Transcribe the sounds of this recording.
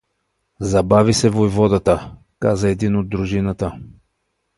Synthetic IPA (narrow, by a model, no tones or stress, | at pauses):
zɐbavisɛvojvɔd̪ət̪ə | kazəɛd̪inod̪̚ːɾuʒinət̪ə